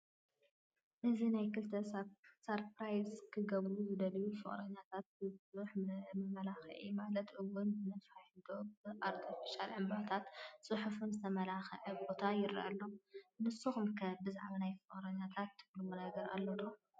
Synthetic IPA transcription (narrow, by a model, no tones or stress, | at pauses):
ʔɨzinajkɨlt̪ʰɐsɐɾpɾajzkʰɨɡɐβluzɨd̪ɐlijufɨ̰χʼɾɐɲːat̪ʰat̪̚ɨsuħmɨmɐlaxʕḭmalɐt̪ʔɨwːʊnbɨnɐfajd̪obɨʔaɾt̪ʰifiʃalʕɨmbat̪ʰat̪sʼɨħufunzɨt̪ʰɐmɐlaxɐʕɐbo̞t̪ʰajɪɾ̰ʔa̰lːo̞mɨsuxumkʰɐbɨzaʕβanajfɨχʼɾɐɲːat̪ʰat̪ːɨblumunaɡɐɾa̰lːɐno